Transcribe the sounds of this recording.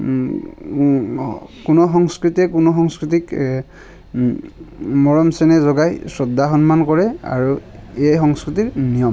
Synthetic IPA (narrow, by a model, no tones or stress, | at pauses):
kunɔxɔŋskɹitɛkunɔxɔŋskɹit̬ik | mɔɹɔmsɛnɛzɔɡajsɹɔdaxɔnmankɔɹɛa̰ɹuejxɔŋskɹitiɹnijɔm